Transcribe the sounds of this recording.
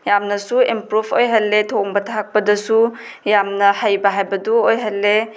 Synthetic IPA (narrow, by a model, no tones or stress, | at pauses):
jamnɐsuimpɾupʰojɦalːetʰoŋbɐtʰak̚pɐdɐsu | jamnɐhajbɐɦajbɐduojɦalːe